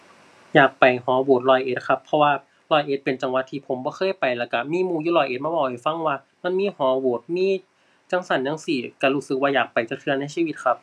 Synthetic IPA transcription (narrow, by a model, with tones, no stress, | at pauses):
jaː˨˩k̚pa˨˩jhɔː˨˦woː˨˩t̪̚lɔː˧˩jʔeː˨˧˦t̪̚kʰa˧˥pʰːɔ˧waː˧ | lɔː˧˩jʔeː˨˦t̪̚pe˨nt͡ɕa˨˩ŋwa˧t̪ʰːiː˧pʰo˩˦mbɔː˧˦xʰɤː˧˥˨jpa˨˩jlɛː˧˩wka˧˩miː˧˥˨muː˧˩˦juː˧˨lɔː˧˩jʔeː˧˦t̪̚maː˧bɔː˧˩wha˨˩jfa˧˨ŋwaː˧˨ | ma˧˥˨nmiː˧˥˨hɔː˨˦woː˨˩t̪̚miː˧˥˨ | t͡ɕa˧˩˨ŋsa˧˩nja˧˥˨ŋsiː˧˩ka˧˩ɾuː˧˩sɯ˧˥k̚waː˧jaː˨˩k̚pa˨jt͡ɕa˧kʰɯ˧ɐ˧na˧˥˨jsiː˧wi˧˦t̪̚kʰa˧˥p̚